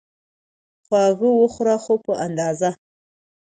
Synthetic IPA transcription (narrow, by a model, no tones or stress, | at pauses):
xwɑɣəwəxɾaxopəand̪ɑza